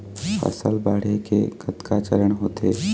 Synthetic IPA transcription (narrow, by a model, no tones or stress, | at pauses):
ɐ̰sə̰lbaːɽ̤ekḛɡət̪kat͡ʃəɾəɽɦoːt̪ʰeː